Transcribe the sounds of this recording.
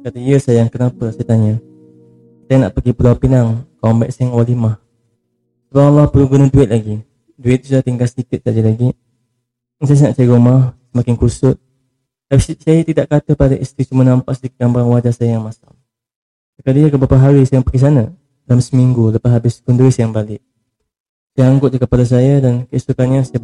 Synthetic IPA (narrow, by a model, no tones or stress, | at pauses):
kat̪əijəsajaŋkənapəsajat̪aɲə | sajəna̰ʔpəɡipulapinaŋkɔmbɛʔ̚sajaŋwalimah | səbapalːɔhpəluɡunəduɪt̪̚laɡi | duɪt̪̚sudaht̪iŋɡalsətikɪt̪̚sad͡ʒəlaɡi | nsajəs̬ənaʔt͡ʃaiɾumahsəmakɪŋkusʊt̪̚ | t̪apissajat̪idaʔkat̪əpadaʔist̪ɾisumənãmpaʔsədikt̚ɡambaaŋwad͡ʒasajəjaŋmasa̰ŋ | təkadijakəbapaɦaɾisajaŋpəkis̬ana | lamsəmiŋɡuləpasɦabɪskʊnduɪt̪̚ajaŋbalɪʔ̚ | sajaaŋɡʊt̪̚d͡ʒakəpalas̬ajədankəisukanɲasaj